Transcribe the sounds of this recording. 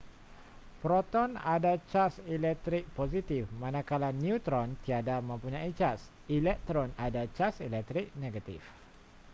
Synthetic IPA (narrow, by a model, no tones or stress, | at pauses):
pɾɔt̪ɔnadat͡ʃasilɛk̚t̪ɾik̚pozit̪ifmãnãkalaniut̪ɾɔnt̪iadamə̃mpuɲãit͡ʃas | ilɛk̚t̪ɾɔnadat͡ʃasilɛk̚t̪ɾik̚neɡat̪ḭf